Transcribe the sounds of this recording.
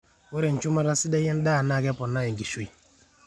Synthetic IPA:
wɔ˦ɾɛ˨n˨t͡ʃu˦ma˦ɾa˦si˦da˦jɛ˦n˦da˦˨na˦˨kɛ˦pɔ˨nːa˦ɛ˨ŋɡi˨ʃu˦i˨

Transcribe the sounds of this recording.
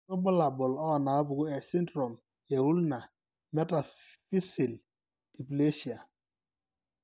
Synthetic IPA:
tɔ˦bʊ˦la˨bʊ˨lɔ˦˨na˨ɔ˦bu˨ɡʊ˦ɛ˨si˦ndɾɔ˨m | jɛ˨wu˦lna˨ | mɛ˦ta˨fi˦si˨l | d̥i˨ple˦ʃi˨a˨

